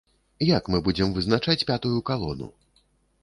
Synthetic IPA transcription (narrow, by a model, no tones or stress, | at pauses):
jakmɨbud͡zʲɛmvɨznat͡ʂat͡sʲpʲat̪ujukalˠɔnṵ